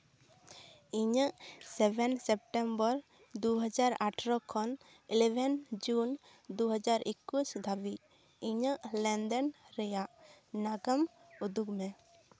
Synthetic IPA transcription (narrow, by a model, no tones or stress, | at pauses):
iɲəʔsɛbɛnsɛp̚ʈɛmbɔɾ | d̪uɦad͡ʒaɾaʈʰɾɔkʰɔn | ilɛbɛnd͡ʒun | d̪uɦəd͡ʒaɾʔikːusd̪ʱabi | iɲəʔlɛnd̪ənɾɛjaʔnaɡəm | ud̪uɡmɛ